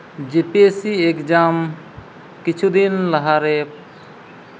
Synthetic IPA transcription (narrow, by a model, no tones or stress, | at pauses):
d͡ʒepesiekd͡ʒaːm | kɪt͡ʃʰud̪inləɦaɾe